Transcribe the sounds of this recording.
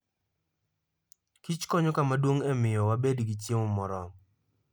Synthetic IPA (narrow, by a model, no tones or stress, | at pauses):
kit͡ʃkɔɲɔkamadwoŋɛmɪjɔwabedɡit̬jemʊmɔɾɔ